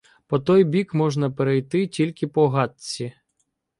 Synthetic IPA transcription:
pɔt̪ɔjbʲikmɔʒnɐpeɾejt̪ɪtʲilʲkɪpɔɦɑt͡sʲi

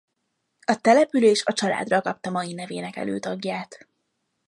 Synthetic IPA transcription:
ɒt̪ɛlɛpyleːʃɒt͡ʃɒla̰ːd̪rɒkɒp̚t̪ɒmɒjinɛveːnɛkɛ̰løːt̪ɒɡjaːt̪

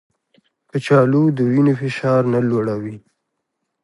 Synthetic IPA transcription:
kət͡ʃɑlud̪əwinofɪʃɑɾnaloɽawi

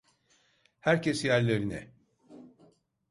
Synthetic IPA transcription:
hæɾcʰesjæɾlʲeɾinɛ̰

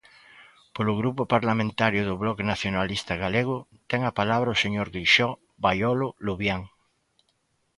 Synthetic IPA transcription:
polʊɣɾupʊpaɾlamẽnt̪aɾjʊðʊβlɔkenaθjonalist̪ɐɣaleɣʊt̪ɛŋapalaβɾɐoseɲoɾɣɾiʃɔ | βajɔlʊluβjaŋ

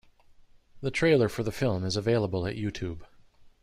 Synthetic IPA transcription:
ðɨtʰɹ̥eɪlˠə˞fə˞ðəfɪlˠmɨzəveɪlˠəbəl̩ˠɨ̰ʔjʉtʰʉb̥

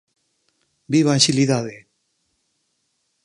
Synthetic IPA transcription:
biβãʃḭlid̪ad̪i

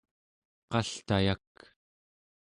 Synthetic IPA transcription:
qɑɬt̪ajak

